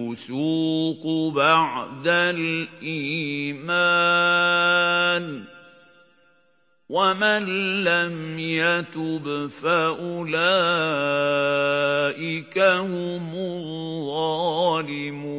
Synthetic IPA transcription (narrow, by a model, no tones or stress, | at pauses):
ʊsuːqʊbaʕd̪alʔiːma | n | wamanlːamjat̪ʊbfaʔʊlaː | ʔɪkahʊmʊðˤɑːlɪmuː